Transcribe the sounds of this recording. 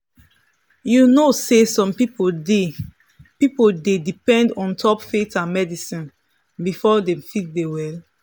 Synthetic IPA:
junosesɔ̃mpipode | pipoldedipɛ̃ndɔ̃ntʰɔpfetãnmɛdisĩn | bifɔdɛ̃fit̚dewɛl

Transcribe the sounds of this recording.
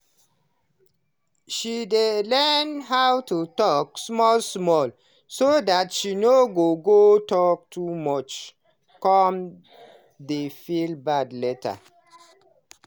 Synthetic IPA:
ʃidelɛnɦawtutɔksmɔlsmɔl | sodatʃinoɡoɡotɔk̚tʰumɔt͡ʃ | kɔm | defilbadlɛta̰

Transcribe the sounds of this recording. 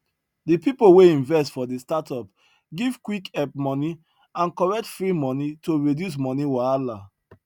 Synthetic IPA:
dipipoweĩnvɛstfɔdestatɔp | ɡiv̥kwikɛp̚mɔ̃ni | ãnkɔɹɛk̚tfɹimɔ̃nitoɹedjus̬mɔniwaala

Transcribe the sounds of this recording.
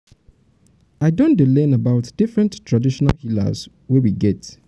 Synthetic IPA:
aɪdõndilɛ̃nəbaʊtd̥ifɹɛ̃nttʰɹadiʃɔna̰lhila̰z | wɛwiɡɛt

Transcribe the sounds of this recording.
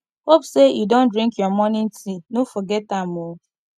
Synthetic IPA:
hopsejudõndɾĩŋkjɔmɔnɪn̩tʰinufɔɡɛtamo

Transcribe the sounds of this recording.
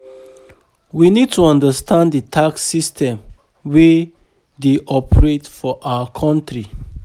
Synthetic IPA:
winid̚tuɔ̃ndəstʰãndətʰaksistʰɛ̃m | we | deʔɔpəɹetfɔʔawəkʰɔ̃ntɹi

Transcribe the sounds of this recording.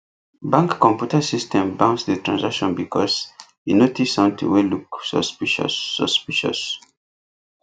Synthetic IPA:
bãŋkːɔ̃mpjutəsistʰɛ̃mbãʊ̃nsðətʰɹãnzakʃɔ̃nbikʰɔz | inotisɔ̃ntʰṵweluksɔ̰spiʃɔ̰sːə̰spiʃɔ̰s

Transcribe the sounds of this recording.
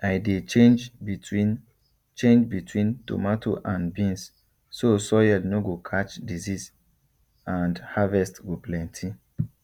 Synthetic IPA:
ajdeend͡ʒi | t͡ʃẽnd͡ʒbitʰwĩnto̰matʰoʔãnbĩns | sosɔjɛlnoɡokʰat͡ʃdizis | ãndhavɛstɡoplɛ̃ntʰi

